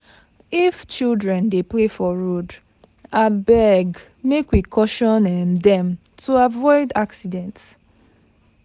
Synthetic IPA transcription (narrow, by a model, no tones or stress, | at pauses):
ift͡ʃildɹɛ̃ndeplefɔɹod | abɛɡ | mekwikʰɔʃɔ̃nɛmdɛ̃m | tʰuavɔɪdaksidɛ̃nts